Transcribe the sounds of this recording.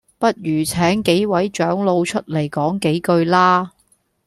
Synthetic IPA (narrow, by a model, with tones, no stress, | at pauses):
pɐ˥t̚jyː˨˩t͡sʰɛː˨˥ŋke˨˥jwɐ˨˥jt͡ʃœː˨˥ŋlo˧wt͡ʃʰɵ˥t̚le˨˩jkɔː˨˥ŋke˨˥jkɵ˧ɥlaː˥